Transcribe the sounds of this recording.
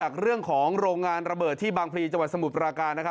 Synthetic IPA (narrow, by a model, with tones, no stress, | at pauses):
a˨˩k̚ɾɯ˥˩əŋkʰɔː˩˦ŋŋɾoː˧ŋːaː˧nɾa˧bɤː˨˩t̪ʰːiː˥˩baː˧ŋpʰliː˧t͡ɕa˧ŋwa˨˩sa˧mu˨˩t̪̚ɾaː˧kaː˧nːa˥kʰa˦